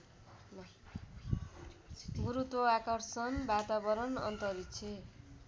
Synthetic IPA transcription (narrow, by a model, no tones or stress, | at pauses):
ɡuɾut̪wʌakʌrsʌnbat̪abʌɾʌnʌ̰nt̪ʌɾit͡sʰe